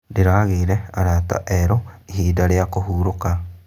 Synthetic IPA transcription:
deɾaːɣeɾɛaɾata̰ʔɛɾɔeɦiːdaɾeakoɦuːɾoka

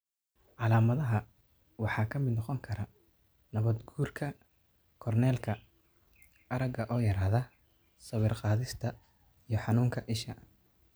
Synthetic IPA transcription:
ʕɑlaːmɐðɐɦɐ | wɑħɑːkʰɐmɪd̪nɑqɔŋkʰɐɾɐ | nɐβɐd̪ɡuːrkʰɐ | kʰɔrnɛːlkʰɐ | ɐɾɐɡɐʔɔːjɐɾaːhðɐ | sɐwɪrqɑːðɪst̪ʰɐ | ijɞħɑnuːŋkʰɐʔɪʃɐ̰

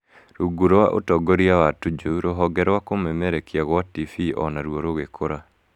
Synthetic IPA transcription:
ɾuɡuɾowaʔo̰tɔɡoɾiawatud͡ʒuɾoɦɔɡɛɾwakomɛmɛɾekiaɣwatifiʔɔ̰naɾwoɾoɣekʰoɾa

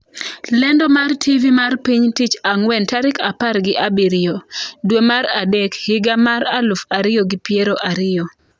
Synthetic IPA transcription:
lɛndɔmartʰivimarpiɲtit͡ʃaŋwɛntaɾɪkaparɡɪʔabiɾɪjodwemaɾadɛkhɪɡamaɾalʊfaɾɪjoɡɪpieɾoʔaɾɪjo

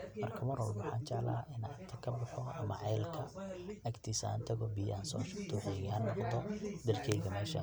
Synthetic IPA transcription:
mɐrkʰɐmɐɾɔ̰wlwʊħɑ̰ːnt͡ʃɛʕla̰ːʔɪnʕt̪ʰɐkʰɐbɐħɔɐ̰mɐ̰ʕɑjlkʰɐɐɡt̪ʰisa̰ːnt̪ʰɐɣɔbijaːnsɔːʃʊɡt̪ʰɔħɛjɣhɐnːɔqd̪ɔd̪ɐrkʰɛjɣɐmɛːʃɐ̰

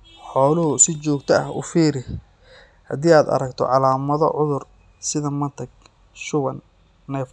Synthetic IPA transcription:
ħɔːlʊɦʊsɪt͡ʃɔːɡt̪ʰɐɐhʊ̰fiːɾɪ | hɐd̪iːaːd̪ɐ̰ɾɐkt̪ʰɔ̰ʕɑlaːmɐðɔ̰ʕʊðʊr | sɪðɐmɐnt̪ʰɐɡ̚ | ʃʊβɐnː | ɛf

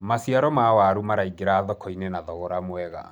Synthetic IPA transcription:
masiaɾɔmawaɾumaɾaiɡeɾaːðɔkɔinenaðɔɣɔɾamwɛɣa̰

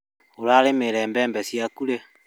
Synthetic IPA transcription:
olalemeɾɛːmbɛːmbɛsjakule

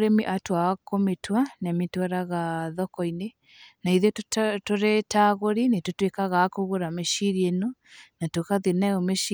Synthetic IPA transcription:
ɾemiʔatwawakometwanamitwaɾaɣaðɔkɔine | naiðettoɾɛtaɣoɾinetotwekaɣakoɣoɾameʃiɾiɛnɔnatwekaðenaomeʃ

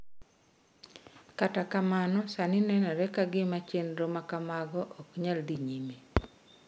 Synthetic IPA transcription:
katakamanɔsanɪnɛnɛɾɛkaɡɪmat͡ʃenɾomakamaɡɔʔɔkɲald̪iɲime

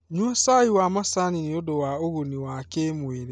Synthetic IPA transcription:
ɲuɔsaiwamasaniniodowaoɣoniwakemweɾe

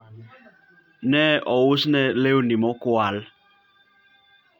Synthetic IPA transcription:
nɛʔɔwusnɛlewunimɔkʊal

